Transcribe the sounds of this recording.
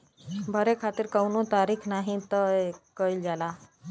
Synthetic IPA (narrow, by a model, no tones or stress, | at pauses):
bʱəɾekʰat̪iɾkəwnot̪aɾikʰnaɦĩt̪əekəild͡ʒala